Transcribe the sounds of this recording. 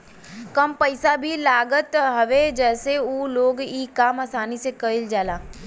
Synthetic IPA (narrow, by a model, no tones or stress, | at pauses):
kəmpəɪsabʱilaːɡət̪ɦɐʋed͡ʒɛːseuːloːɡiːkaːmasaːnisekəɪld͡ʒaːlaː